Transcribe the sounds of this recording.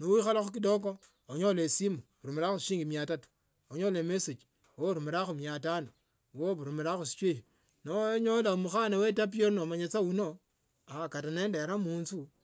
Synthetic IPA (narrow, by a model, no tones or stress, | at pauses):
nuwixalaxuk̬idok̬o | oɲolesimuɾumeɾaxuʃiːŋɡimjatatu̥ | oɲolemeset͡ʃi̥ | woɾumiɾaxumjatano | woβuɾumiɾaxusi̥t͡ʃei | noɲolamuxanawetap̬ioɾnomaɲet͡sawuno | akatanendeɾamuːnt͡su